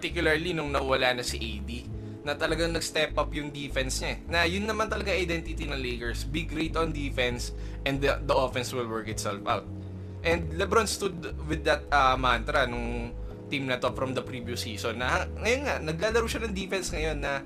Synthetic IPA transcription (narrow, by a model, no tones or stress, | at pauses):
pɐt̪ikjʊlɐɹlinʊŋnɐwɐlanɐsiʔejd̪i | nɐt̪ɐlɐɡaŋnɐɡst̪ɛpʔɐpjʊŋd̪ifɛnsɲaɛnɐjʊnːɐmant̪ɐlɐɡaŋʔɐjd̪ɛnt̪ɪt̪inɐŋleːkɛɹsbɪɡɾejt̪ond̪ifɛns | ʔɛ̃nd̪ɐd̪ɐʔofɛnswɪlwɛɹkɪt̪sɛlfʔa̰wt̪̚ | ʔɛ̃nd̪lɛbɾɐ̃nst̪ud̪wɪd̪ːɐt̪̚ɐmant̪ɾɐnʊŋ | t̪imnɐt̪o̞fɾɐmd̪ɐpɾiːvjusiːsonːɐhɐŋɐjonŋanɐɡ̚laːlɐɾuwʃɐnɐŋd̪ifɛnsŋɐjo̞nːɐ